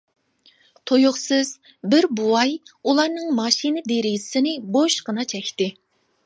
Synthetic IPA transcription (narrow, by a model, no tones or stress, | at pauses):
t̪ʰojʊχsɪz̥ | bɪɾbuwɑjulˠɑɾnɨŋmɑʃinɨd̪eɾɪjzɪsɪnɪboʃqənɑt͡ʃʰɛkʲt̪ɪ